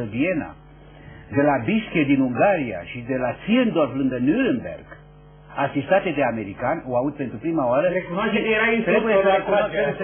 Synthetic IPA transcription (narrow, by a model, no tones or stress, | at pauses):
əvie̞na̰ | d̪e̞labiskʲed̪inuŋɡaɾia̰ʃid̪e̞lat̪siend̪o̞rflɨŋɡənuɾenbe̞̰rɡ̥ | asist̪at̪e̞d̪e̞ame̞ɾikanʲoaut̪̚pent̪ɾupɾimaoaɾəekunaeeɾaist̪ɾebujeosəekua